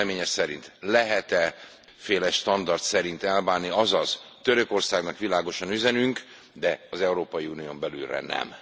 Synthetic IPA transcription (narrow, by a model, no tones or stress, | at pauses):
meːɲɛsɛɾint̪lɛɦɛt̪ɛ | feːlɛʃt̪ɒnd̪ɒrt̪sɛɾint̪ɛlbaːnːiɒzɒz̥ | t̪ø̞ɾø̞ko̞rsaːɡnɒkʋilaːɡo̞ʃɒnyzɛnyŋk | d̪ɛɒzɛuɾoːpɒjiuːnijombɛlylrɛ̰nɛ̰m